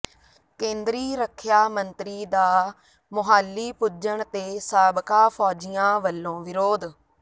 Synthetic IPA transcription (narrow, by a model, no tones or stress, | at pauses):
kẽːnd̪ɾiːɾəkʰːjaːmənt̪ɾiːd̪aː | mʊɦaːlːiːpʊd͡ʒəɳt̪eːsaːbkaːpʰɔːd͡ʒɪjãːʋəlːõːʋɪɾoːd̪